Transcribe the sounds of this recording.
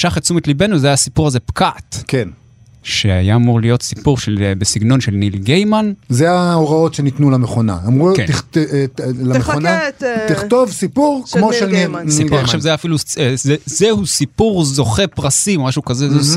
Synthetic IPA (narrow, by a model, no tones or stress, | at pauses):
ʃaχet͡sumet̪libe̞nuvzeajasipuʁaze̞pkatken | ʃeajaːmuʁlijo̞t̪sipuʁʃelbesiɡno̞nʃelnilɡejmanzeaoʁao̞tʃenit̪nulameχo̞na̰amʁukeni | lameonat̪iχt̪ovsipuʁkmoʃelisiuʃavzeajaːfiluezezehusipuʁzo̞χepʁasimaʃukazeze